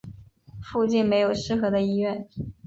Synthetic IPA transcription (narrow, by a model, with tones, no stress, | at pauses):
fu˥˧t͡ɕi˥˩nme˧˥ɪjo˨˩ʊʂɻ̩˥˧xɤ˧˥d̪ə˧i˥ɥɛ˥˩n